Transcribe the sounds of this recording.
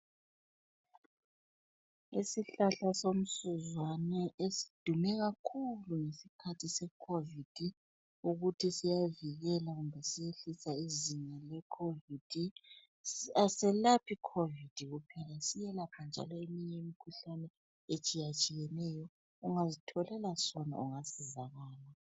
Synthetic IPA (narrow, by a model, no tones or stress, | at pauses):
isiɬaɬasom̩suzwanɛʔesi̥d̥ʱumɛɣakʰuluŋesikʰatʰisɛkʰovid̥ʱi | uɣutʰisijaviɣɛlaɣumbʱɛsijeɬisaiziɲalɛkʰovid̥ʱi | asɛlapʰikʰovid̥ʱiɣupʰɛlasijɛlapʰand͡ʒʱa̰lɔemiɲɛimikʰuɬanɛ | et͡ʃʼijat͡ʃʼijɛnɛjɔ | uŋazitʰɔlɛlasɔna̰uŋasizaɣaːla